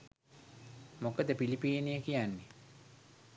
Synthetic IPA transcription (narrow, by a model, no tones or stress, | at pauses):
mokəd̪əpilipiːnejəkijanːe